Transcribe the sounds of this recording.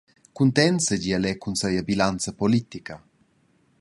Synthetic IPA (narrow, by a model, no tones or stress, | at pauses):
kunt̪ɛnsəd͡ʑialɛkunsɛjabilant͡səpolit̪ikə